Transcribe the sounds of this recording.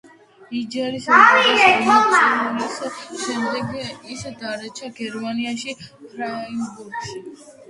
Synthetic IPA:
id͡ʒɛɾisaɾiɾɛɔmaɔnisʃɛmd̪ɛɡiaʔisɛd̪aɾɛt͡ʃʰaɡɛɾmaniaʃipʰɾainbuɾɡʃi

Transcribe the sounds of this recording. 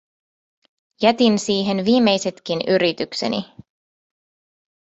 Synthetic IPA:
jæt̪insiːɦe̞nʋiːmːe̞jse̞t̪k̟inyɾit̪ykse̞̰nḭ

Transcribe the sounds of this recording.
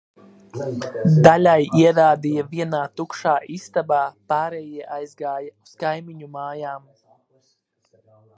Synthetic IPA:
d̪alʲajiɛɾaːd̪ijaviɛnaːt̪ukʃaːʔist̪abaːpaːɾɛjiɛʔajzɡaːjau̥skajmiɲumaːjaːm

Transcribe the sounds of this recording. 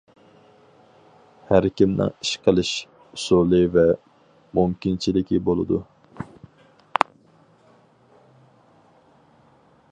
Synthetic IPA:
hæɾkʲimnɪ̰ŋiʃqʰəlˠɨʃ | usulˠɨvɛ | mumkʲint͡ʃʰilɪkʲʰibolˠɨd̪u

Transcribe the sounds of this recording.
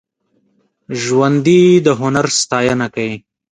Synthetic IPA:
ʒwand̪id̪əɦʊnaɾst̪ɑːjanakai

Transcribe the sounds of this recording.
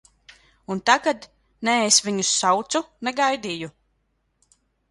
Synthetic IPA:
unt̪aɡad̪ | nɛesvʲiɲusːawt̪sunɛɡajd̪iːju

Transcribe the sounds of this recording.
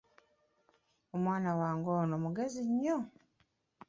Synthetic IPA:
omwaːnawaːŋɡoːnomuɡeziɲːo

